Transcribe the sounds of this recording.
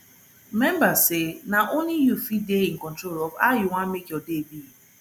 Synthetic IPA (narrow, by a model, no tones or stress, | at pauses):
mɛmbasenaʔonijufideiŋ̩kɔ̃ntɾolɔvajɪŋʷamekɔdebi